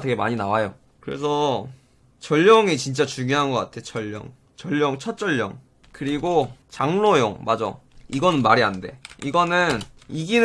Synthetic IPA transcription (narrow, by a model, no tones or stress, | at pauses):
te̞ɡe̞maɲinawajo | kɯɾe̞s̬ʰʌ | t͡ɕʌʎːʌŋit͡ɕint͡ɕ͈at͡ɕuŋjoɦanɡʌk͈atʰe̞t͡ɕʌʎːʌ̰ŋ | t͡ɕʌʎːʌŋt͡ɕʰʌt̚t͡ɕ͈ʌʎːʌ̰ŋ | kɯɾiɡot͡ɕaŋnojoŋmad͡ʑo̰iɡʌnɯnmaɾiɦande̞̰iɡʌnɯn | iɡin